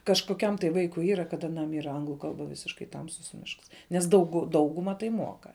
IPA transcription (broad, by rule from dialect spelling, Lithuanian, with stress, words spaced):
kɐʃkoːˈkʲɛm tɐɪ ˈʋɐɪkʊɪ ˈiːrɐ kɐt ɐˈnɐm ˈiːrɐ ˈɐŋɡlˠʊ ˈkɐlˠbɐ ˈʋʲɪsʲɪʃkɐɪ ˈtɐmsʊs ˈmʲɪʃks nʲɛs ˈdɐʊɡʊ ˈdɐʊɡʊmɐ tɐɪ ˈmuɔkɐ